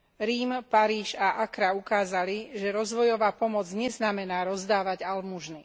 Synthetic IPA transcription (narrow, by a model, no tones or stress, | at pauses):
ɾiːmpaɾiːʃaʔakɾaukaːzaliʒɛɾɔzʋɔjɔʋaːpɔmɔd͡zɲɛznamɛnaːɾɔzd̪aːʋaɟalmuʒni